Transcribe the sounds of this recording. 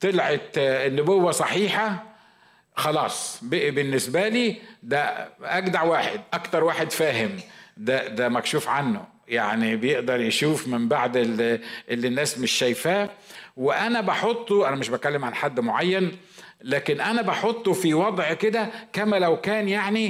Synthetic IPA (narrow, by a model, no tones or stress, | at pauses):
t̪elʕet̪nːʊbowːæsˤɑħiːħɑ | xɑlɑːsˤbeʔbɪnːesbæliːd̪æʔæɡd̪aʕwaːħed̪ʔɑkt̪ɑɾˤwaːħed̪fæːɦɪmd̪æd̪æmækʃuːfʕanːo̰ | jaʕnibejeʔd̪ɑɾˤjeʃuːfmɪmbaʕd̪elʔelːinːæːsmeʃːæjfæːweʔænæbɑħot̪ˤːoʔænæmeʃbæt̪̚kælːemʕanħad̪ːmoʕajːæn | læːkenʔænæbɑħot̪ˤːofiwɑd̪ˤʕked̪ækæmælæwkæːnjaʕni